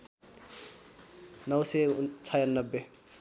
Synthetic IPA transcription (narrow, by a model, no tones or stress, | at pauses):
nʌwset͡sʰajanːʌbːe